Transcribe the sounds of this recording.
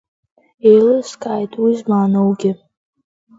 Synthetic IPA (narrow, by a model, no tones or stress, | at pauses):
ejlɨskʼaːjtʼwizmaːnowɡʲɪ